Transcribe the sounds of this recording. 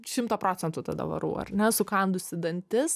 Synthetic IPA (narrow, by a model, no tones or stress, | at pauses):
ʃʲɪmt̪oːpɾoːt͡s̪ʲɛnt̪ʊt̪ɐd̪ɐ̰ʋɐ̰ɾṵːɐ̰rnʲɛsʊkɐnd̪ʊsʲɪd̪ɐnʲt̪ʲɪs